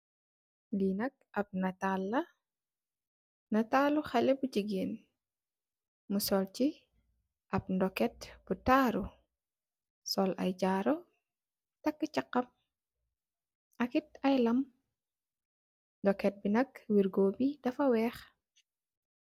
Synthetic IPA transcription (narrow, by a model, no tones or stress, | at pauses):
linɐk̚ʔɐp̚nɐtalːɐ | nɐtaːluxɐlɛbud͡ʒiɡeːn | musɔlt͡ʃi | ʔɐp̚ndɔkɛt̚b̥utaːɾu | sɔlʔɐ̰jd͡ʒaːɾɔ | tɐkːət͡ʃɐqːɐm | ɐkit̚ɐjlɐm | ndɔkɛt̚binɐkwiɾɡoːbidɐfɐwɛːx